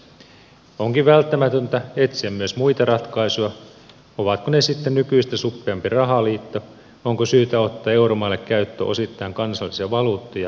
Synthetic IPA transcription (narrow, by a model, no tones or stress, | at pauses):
oŋkiʋʋælt̪ːæmæt̪ønt̪æet̪siæmmyøsmuit̪ɑrɑt̪kɑisujɑ | oʋɑt̪konesit̪ːennykyist̪æsupːeɑmpirɑɦɑliːt̪ːo | oŋkosyːt̪æot̪ːɑːe̞uɾomɑːlːekkæyt̪ːø̰ʔosit̪ːɑiŋkɑnsɑlːisiɑʋɑluːt̪ːojɑ